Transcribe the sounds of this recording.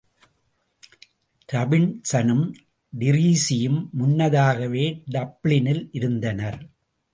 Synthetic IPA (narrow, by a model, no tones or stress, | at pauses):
ɾɐbɪnsɐnɯm | ɖɪɾiːsɪjɯmːʊnːɐðaːɣɐʋeːɖɐbɭɪnɪlʔɪɾɯnd̪ɐnɐɾ